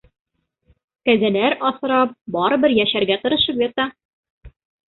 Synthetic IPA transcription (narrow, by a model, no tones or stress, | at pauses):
kæzænæɾɒsɤ̆ɾɑp̚bɒɾɤ̆bɘɾjæɕæɾɡæt̪ɤ̆ɾɤ̆ʃɤ̆pjɑt̪ɑ